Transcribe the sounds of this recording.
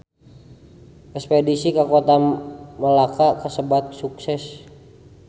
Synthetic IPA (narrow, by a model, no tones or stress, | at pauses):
ʔɛspedisikakot̪aməlakakəsəbat̪̚suksɛs